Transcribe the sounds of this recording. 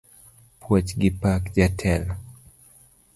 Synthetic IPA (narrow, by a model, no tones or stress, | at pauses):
pʰwɔt͡ʃɡɪpakd͡ʒatʰɛl